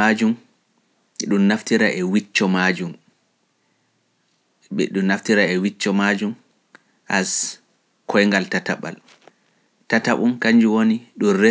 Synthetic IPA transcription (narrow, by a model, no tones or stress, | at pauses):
ad͡ʒum | ɗunnaftiɾaʔɛwit͡ʃːɔmad͡ʒum | ɓɛ̰ɗuːaftiɾaɛwit͡ʃːɔmad͡ʒum | ʔas | kʰɔjŋɡaltataɓa̰l | tataɓumkaɲd͡ʒuwoniɗunre